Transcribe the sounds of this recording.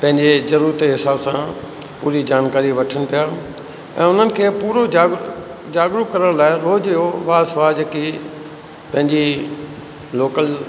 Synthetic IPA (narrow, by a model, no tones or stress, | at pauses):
pɐ̃ɦɪ̃ɲd͡ʑezɐɾuːɾət̪eɦɪsaːbsã | puːɾid͡ʑaːnkaːɾiʋɐʈʰəɽ̃ɪ̃̆pijaː | ɛ̰̃ːʊn̤ənɪ̆kʰeːpuːɾoaːɡ | d͡ʑaːɡɾukɐɾəɽ̃laːɪɾoːd͡ʑjoʋaːsʊʋaːd͡ʑeːki | pɐ̃ɦɪ̃ɲd͡ʑi | loːkəl